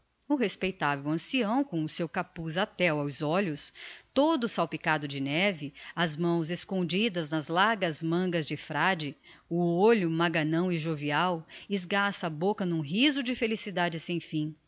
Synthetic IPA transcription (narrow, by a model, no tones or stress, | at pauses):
ʊɦespejt̪avewɐ̃siɐ̃w̃kõw̃ʊsewkapuzat̪ɛwawzɔʎʊst̪od̪ʊːsawpikad̪ʊd͡ʒɪnɛvɪɐzmɐ̃w̃zeskõd͡ʒid̪ɐznɐzlaɾɡɐzmɐ̃ɡɐzd͡ʒɪfɾad͡ʒɪʊoʎʊmaɡɐnɐ̃w̃ɪʒoviawɪzɡasɐːbokɐnũɦizʊd͡ʒɪfelisid̪ad͡ʒɪsẽj̃fĩ